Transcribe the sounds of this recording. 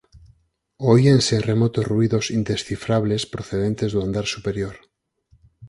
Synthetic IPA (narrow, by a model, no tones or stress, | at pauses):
oiansere̞mot̪ozruiðosind̪esθifɾaβlespɾoθeð̞ent̪ezðuand̪aɾsupe̞ɾjoɾ